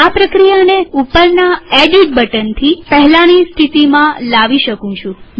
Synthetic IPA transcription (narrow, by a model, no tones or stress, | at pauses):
apɾəkɾijaneupəɾnaeɖiʈ̚bəʈənt̪ʰipəɦɛlanist̪ʰit̪imãlaʋiʃəkũt͡ʃʰũ